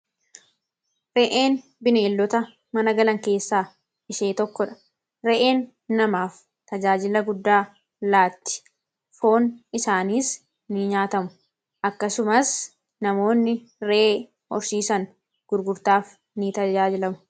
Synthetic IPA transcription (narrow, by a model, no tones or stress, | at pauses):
ɾɛʔe̞ːn | bɪne̞ːlːɔt̪ɐ | mɐnɐɡɐlɐŋke̞ːsːaː | ɪʃe̞ːt̪ɔkːɔᶑɐ̥ | ɾɛʔe̞ːnː | ɐmaːf | t̪ɐd͡ʒaːd͡ʒɪlɐɡʊd̪ːaː | laːt̪ːɪ̥ | fo̞ːnɪsaːniːs | nɪɲaːt̪ɐmʊ̥ | ʔɐkːɐsʊmɐs | nɐmo̞ːnːɪ | ɾeː | hɔ̰ɾsiːsɐn | ɡ̥ʊɾɡʊɾt̪aːf | nit̪ɐd͡ʒaːd͡ʒɪlɐmʊ̥